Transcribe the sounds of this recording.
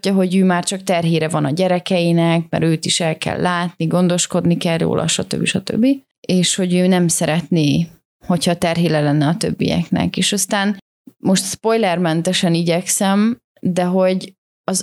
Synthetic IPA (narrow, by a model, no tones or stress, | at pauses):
ɒɦo̞ɟøːmaːrt͡ʃɒkt̪ɛrɦeːɾɛvɒnɒɟɛɾɛkɛjinɛk̚mɛ̰ɾøːt̪iʃɛlkɛ̰lːaːt̪niɡo̞nd̪o̞ʃko̞d̪nikɛljo̰ːlʔɒ̰ʃɒt̪ø̰bːiʃɒt̪ø̰bːi | eːʃho̞ɟøːnɛmsɛɾɛt̪neː | ho̞chɒt̪ɛrɦeːlɛlɛnːɛɒt̪ø̞̰bːḭjɛ̰knɛ̰keːʃɒst̪aːn | mo̞ʃt̪spo̞jlɛrmɛnt̪ɛʃɛniɟɛksɛm | d̪ɛɦo̞ɟ | ɒz